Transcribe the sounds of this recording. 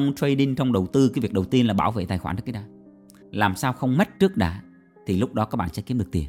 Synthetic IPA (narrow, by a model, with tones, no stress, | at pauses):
ŋ͡mt͡ɕwə˧jɗi˧ŋt͡ɕɔ˧wŋ͡mɗə˨˩wt̪ɨ˧kaː˨˦vi˨˩ək̚ɗə˨˩wt̪i˧ənlaː˨˩ɓaː˧˩wvḛ˧˨t̪aː˨˩xwa̰ː˧˩nɨ˦˥kːɗɗaː˨˧˦ | laː˨˩msaː˧wxə˧wŋ͡mma˦˥t̚t͡ɕɨ˦˥ək̚ɗa̰ː˧˦ | t̪ʰi˨˩lʊ˦˥k͡p̚ɗɔ˨˦kaː˦˥k̚ɓa̰ː˧˨sɛ̰˧˥ki˨˦mɗɨ˨˩ək̚t̪i˨˩əm